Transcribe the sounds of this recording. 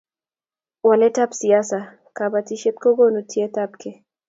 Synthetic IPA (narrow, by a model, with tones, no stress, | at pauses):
wa˨lɛ˦ta˦psi˨ja˦sa˨ | ka˨ba˨ti˦ʃe˦tko˦ɡo˦no˨tʰje˦ta˦pke˨